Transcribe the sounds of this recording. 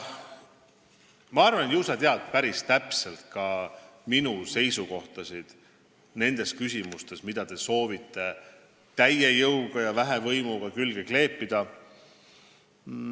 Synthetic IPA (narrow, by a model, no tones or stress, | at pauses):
mɑɑrvɑnjuːsɑt̪eɑd̪̥̚pæɾist̪æpse̞lt̪̚kɑminuse̞jsuko̞ht̪ɑsid̪̥ | ne̞nd̪̥e̞skysʲimust̪e̞smid̪̥ɑt̪e̞so̞ːvit̪ˑːe̞ | t̪æjːejɤwɡ̥ɑjɑvæɦevɤjmuɡ̥ɑkylɡ̥e̞kle̞ːpːˑid̪̥ɑ